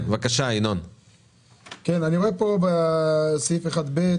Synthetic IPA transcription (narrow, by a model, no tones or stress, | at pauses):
vakaʃainon | kenaniʁoepobesajifeχad̪be